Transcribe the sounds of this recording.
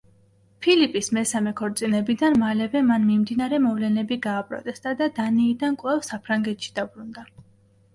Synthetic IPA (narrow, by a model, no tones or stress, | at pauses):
pʰilipʼismɛsamɛkʰɔɾt̪sʼinɛbid̪anmalɛvɛmanmimd̪inaɾɛmɔvlɛnɛbiɡaːpʼɾɔ̰t̪ʼɛst̪ʼad̪ad̪aniːd̪ankʼwɛfsapʰɾaŋɡɛt̪ʃi̥d̪̥abɾund̪a